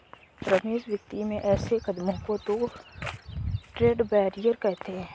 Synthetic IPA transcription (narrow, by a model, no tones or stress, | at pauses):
ɾəmeːzwjək̚t̪imẽʔɛːsekəd̪mõkot̪o | ʈɾeːɖbɛːɾijəɾkɛɦt̪eɦɛ̃ː